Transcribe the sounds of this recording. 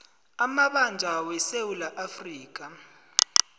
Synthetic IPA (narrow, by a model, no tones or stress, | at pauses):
amaɓand͡ʒʱawɛsewulaʔafriːk̬a